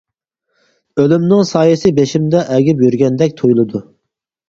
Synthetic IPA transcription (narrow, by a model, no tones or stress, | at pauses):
ølymnɪŋsɑːjɨsɪbeʃimd̪ɛʔɛɡʲipjyɾɡʲɛnd̪ɛkʲt̪ʰojlˠɨd̪u